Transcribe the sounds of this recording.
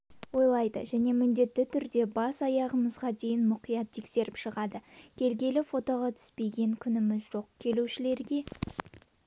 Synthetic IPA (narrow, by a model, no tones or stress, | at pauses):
wo̞jlˠɑjd̪ə̰ʒæne̞mʏnd̪e̞t̪ːɪt̪ʰʏɾd̪e̞bɑsɑjɑʁəməzʁɑd̪e̞jɪnmʊqijɑt̪ʰːe̞kse̞ɾɪpʃəʁɑd̪əkʲʰe̞lɡʲe̞lɪfo̞t̪o̞ʁɑt̪ʰʏ̥spe̞jɡʲe̞ŋkʲʰʏnɪmɪzʒo̞qkʲʰe̞luʃɪle̞ɾɡʲe̞